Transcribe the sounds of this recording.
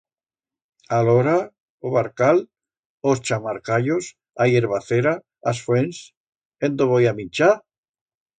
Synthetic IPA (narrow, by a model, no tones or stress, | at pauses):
aloɾa | oβaɾkal | ost͡ʃamaɾkaʎos | ajeɾβaθeɾa | asfwens | end̪oβojamint͡ʃa